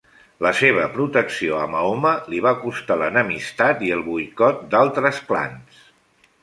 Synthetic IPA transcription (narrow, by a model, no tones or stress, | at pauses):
ləseβ̞əpɾut̪əksioəmaoməliβ̞akust̪alənəmist̪at̪iəlˠβujkɔt̪̚d̪alˠt̪ɾəspla̰ns